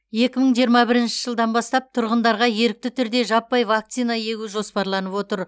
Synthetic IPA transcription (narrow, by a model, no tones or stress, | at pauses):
je̞kʲɪməɴʒijəɾmɑbɪɾɪnʃɪ̥ʒəlˠd̪ɑnbɑst̪ɑp̚t̪ʰʊɾʁənd̪ɑɾʁɑje̞ɾɪk̚t̪ɪt̪ʰʏɾd̪e̞ʒɑpːɑjvakt̪sijnɑje̞ɡʲuʒo̞spɑɾlˠɑnəpwo̞t̪əɾ